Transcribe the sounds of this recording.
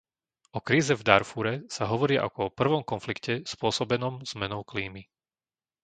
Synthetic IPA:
ɔkɾiːzɛvd̪aɾfuɾɛsaɦɔʋɔɾiːaʔa̰kɔɔpr̩ʋɔmkɔnflikcɛspʊɔsɔbɛnɔmz̥mɛnɔʊkliːmi

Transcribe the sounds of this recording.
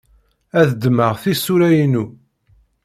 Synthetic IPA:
æðd̪məʁθisuɾæjənu

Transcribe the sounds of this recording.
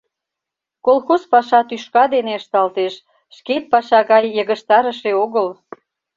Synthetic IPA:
kolxozpɑʃɑt̪yʃkɑd̪eneəʃt̪ɑlt̪eʃ | ʃket̪̚pɑʃɑɣɑjːəɣəʃt̪ɑɾəʃeoɣəl

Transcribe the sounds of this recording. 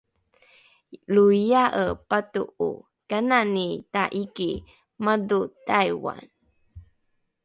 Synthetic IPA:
luijaʔəpatṵṵ | kananitaʔiki | madutajwa̰n

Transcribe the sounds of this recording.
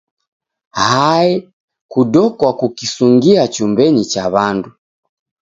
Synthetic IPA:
haɛ | kudɔkwakukisuŋɡiat͡ʃumbɛɲit͡ʃaβandu

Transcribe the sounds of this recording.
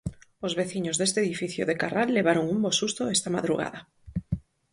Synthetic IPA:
ozβeθiɲozðest̪eðifiθjoðekaralːeβ̞aɾoŋumbosust̪oest̪ama̰ðɾṵɣa̰ða

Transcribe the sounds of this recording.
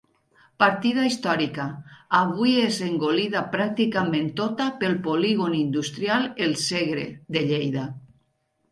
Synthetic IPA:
paɾt̪ið̞aist̪ɔɾikaaβujezeŋɡoliðapɾak̚t̪ikament̪ot̪apelˠpoliɣonind̪ust̪ɾjalelˠseɣɾḛðeʎejða

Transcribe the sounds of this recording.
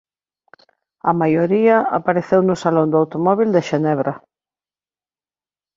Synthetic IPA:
ɐmajoɾiɐa̰paɾeθewnʊsalõnd̪oawt̪omɔβ̞ild̪eʃenɛβɾa

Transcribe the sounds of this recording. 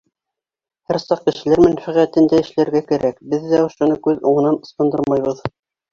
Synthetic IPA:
hæɾsɑq̚kɘ̆ʃɘ̆læɾmænfæʁæt̪ɘnd̪æɘ̆ʃlæɾɡækæɾækbɘðːæŏʃŏnɤkʉðuɴɤ̆nɑnŏst̪ɑ̆nd̪ɤɾmɑjβɤð

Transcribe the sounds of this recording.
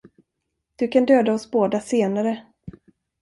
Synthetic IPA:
d̪̥ɵkʰand̪øːd̪aɔsboːd̪aseːnaɾə

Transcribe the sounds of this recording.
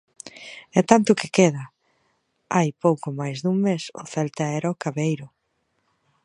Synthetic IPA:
ɛt̪ant̪ʊkɪkeðɐ | ajpowkʊmajzðuŋmesʊ̰θɛlt̪aɛɾaʊkaβejɾʊ

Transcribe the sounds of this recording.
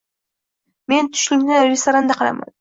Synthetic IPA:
me̞nt̪ʰʊ̥ʃlɪkʲnɪɾest̪oɾand̪aqʰɑlˠa̰ma̰n

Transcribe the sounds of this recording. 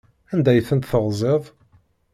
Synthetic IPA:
ænd̪æjθənt̪θəʁzˤeðˤ

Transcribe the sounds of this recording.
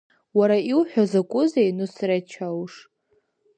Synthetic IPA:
waɾaiwħʷᶣazakʷʼʊzejnɨsrat͡ʃʰawʂ

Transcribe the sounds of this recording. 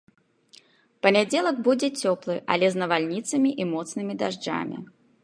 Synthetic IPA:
pɐnʲad͡zʲelˠɐɡ̚bud͡zʲɛt͡sʲɔplˠɨʔɐ̰lʲɛznɐvalʲnʲit̪sɐmʲiʔimɔt̪snɨmʲid̪aʐd͡ʐa̰mʲḭ

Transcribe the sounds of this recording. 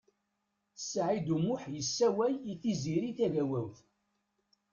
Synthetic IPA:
θsːʕid̪umʊħjəsːæwæjiθiziɾiθævæwæwθ

